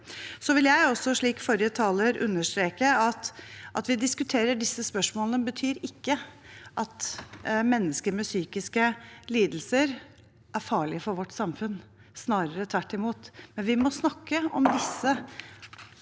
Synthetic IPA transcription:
sɔʋɪljæɪɔsɔʂɭiːkfɔɾjət̪ʰɑːləɾʉ̰nːəʂt̪ɾeːkəɑt̪ʔɑt̪ʋɪd̪ɪskʉt̪ʰeːɾəɖɪsːəspœʂmoːlənəbət̪ʰyːɾɪkːəʔɑt̪mɛnːəskəɾmɛsyːkɪskəliːd̪l̩səɾ | ʔæɾfɑːɭɪəfɔɾʋɔʈːsɑmfʉn | snɑːɾəɾət̪ʰʋæʈːɪmuːt̪mɛnʋɪmɔsnɑkːəɔ̰md̪ɪsːə

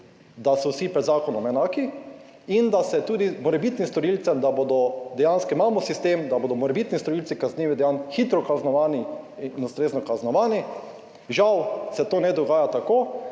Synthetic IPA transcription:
d̪asɔwsipɾɛd̪zaːkɔnɔmɛnaːki | ind̪asɛt̪uːd̪imɔɾɛbit̪nist̪ɔɾilt̪sɛmd̪abod̪ɔd̪ɛjanskɔimaːmɔsist̪eːmd̪aboːd̪ɔmɔɾɛbit̪nist̪ɔɾiltsikazniːʋid̪ɛjanxit̪ɾɔkaznɔʋaːniinust̪ɾeːznɔkaznɔʋaːni | ʒawsɛt̪oːnɛd̪ɔɡaːjat̪akoː

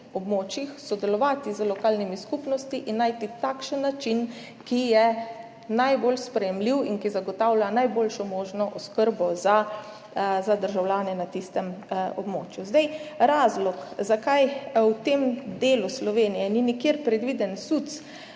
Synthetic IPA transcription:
ɔbmoːt͡ʃixsɔd̪ɛlɔʋaːt̪izəlɔkaːlnimiskupnɔst̪iʔinːajt̪it̪aːkʃənːat͡ʃin | kijɛ | najbolspɾɛjɛmliwinkizaɡɔt̪awlʲjanajboːlʃɔmoːʒnɔʔɔskəɾbɔza | zad̪əɾʒawljaːnɛnat̪ist̪ɛmɔbmo̰ːt͡ʃjuzd̪ajɾaːzlɔkzakajwt̪eːmd̪eːluslɔʋeːnijɛninikjeɾpɾɛd̪ʋid̪ɛnsut̪s

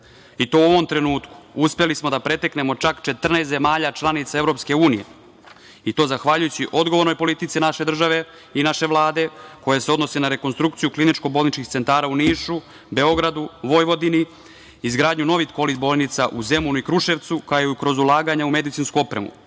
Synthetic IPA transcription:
it̪o̞uo̞ʋo̞mt̪ɾe̞nuːt̪ku̥uspelismo̞d̪apɾe̞t̪ekne̞mo̞t͡ʃakt͡ʃe̞t̪r̩neːst̪e̞maːʎat͡ʃlˠanit̪sae̞vɾo̞pske̞uːnije̞̰ | it̪o̞ːzaxʋaʎujut͡ɕiʔo̞d̪ɡo̞ʋo̞ɾnojpo̞lit̪it̪sinaʃe̞d̪r̩ʒaʋe̞ | inaʃe̞ʋlˠaːd̪e̞ko̞jeseo̞d̪no̞senaɾe̞ko̞nst̪ɾukt̪sijuklinit͡ʃko̞boːlnit͡ʃkixt̪se̞nt̪aːɾauniːʃu | be̞o̞ɡɾad̪uʋo̞jʋo̞d̪ini | izɡɾaːd̪ɲuno̞ʋit̪ko̞lit̪boːlˠnit̪saʔuze̞munuikɾuʃe̞ʋt̪sukaeukɾo̞zulˠaːɡaɲaume̞d̪it̪inskuo̞pɾemṵ

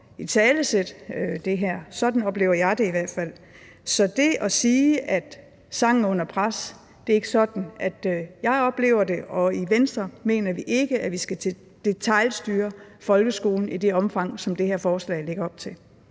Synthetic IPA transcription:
it͡sʰɛːləsed̥ød̥e̝ɦæɐ̰sɒ̽d̥n̩ɒ̽b̥le̝ːʊɐjɑ̈ɪd̥e̝iʋæɐ̰d̥fæl̰ | sɒ̽d̥e̝ʔɒ̽siːʔæd̥ | sɑ̈ŋ̰n̩ɔ̽n̰ɐpʰʁas | d̥e̝ɐe̝ɡ̥əsɒ̽d̥n̩ʔæd̥jɑ̈ɪɒ̽b̥le̝ːʊɐde̝ʔɒ̽iʋensd̥ʁɐme̝̰ːnɐʋiʔe̝ɡ̥əʔæʋisɡ̥æt͡sʰe | d̥e̝t͡sʰɑ̈ɪlsd̥yːɐfɒ̽lɡ̥əsɡ̥o̝̰ːln̩id̥e̝ɒ̽mfɑ̈ŋ̰sɒ̽md̥e̝ɦæɐfɒːslɛ̰ɪle̝ɡ̥ɐɒ̽b̥̚t͡sʰe̝l

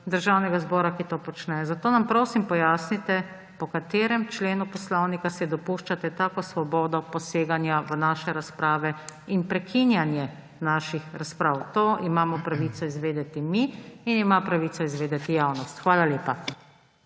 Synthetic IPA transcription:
d̪əɾʒawnɛɡazbɔːɾakit̪oːpɔt͡ʃnɛzat̪oːnampɾoːsimpɔjaːsnit̪ɛ | pɔkat̪eːɾɛmt͡ʃleːnupɔslɔwnikasɛd̪ɔpuːʃt͡ʃat̪ɛt̪aːkɔsʋɔbɔːd̪ɔpɔseːɡanjaʋənaːʃɛɾaspɾaːʋɛinpɾɛkʰinjanjɛ | naʃixɾaspɾaːwt̪oːʔimaːmɔpɾaʋit̪sɔizʋeːd̪ɛt̪imiinimapɾaʋiːt̪sɔizʋeːd̪ɛt̪ijaːwnɔst̪xʋaːlaljeːpa

